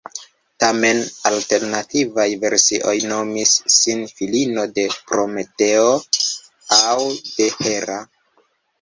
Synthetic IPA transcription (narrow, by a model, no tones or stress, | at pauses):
tame̞nalte̞ɾnativajve̞ɾsiʔo̞jno̞misːinfilino̞de̞pɾo̞me̞te̞o | awde̞he̞ɾa